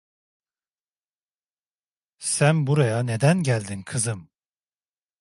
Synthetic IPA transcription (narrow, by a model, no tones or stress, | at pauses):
sænbuɾajane̞d̪ænɟælʲd̪inkʰɯzɯm